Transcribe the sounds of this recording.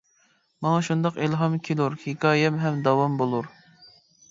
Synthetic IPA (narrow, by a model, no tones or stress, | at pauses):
mɑŋɑʃund̪ɑqelɦɑmkʲʰeluɾhikʰɑːjɛmɦɛmd̪ɑwɑmbolˠuɾ